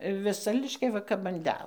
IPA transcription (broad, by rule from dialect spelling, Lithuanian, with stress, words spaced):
ʋʲɪˈsɐ lʲɪʃʲkʲɛˈʋɐ kɐp ɐn ˈdʲɛlˠ